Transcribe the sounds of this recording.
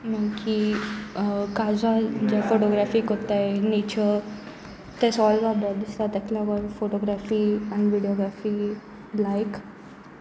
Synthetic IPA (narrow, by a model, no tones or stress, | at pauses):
maki | kazad͡ʑafoʈɔɡɾafikot̪aenet͡ʃʰəɾ | t̪esɔːlʋabəd̪ist̪at̪ɛknɔɡɔɾfoʈɔɡɾafiaɳʋiɖiɔɡɾafi | lajk